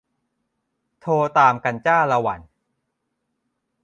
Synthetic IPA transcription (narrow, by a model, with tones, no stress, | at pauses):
t̪ʰoː˧t̪aː˧mka˧nt͡ɕaː˥˩la˧wa̰˩˦n